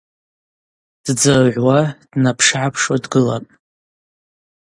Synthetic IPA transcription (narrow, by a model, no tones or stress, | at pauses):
d̥d͡zaʕʷwad̥napʰʂʕapʰʂwadɡɨlapʼ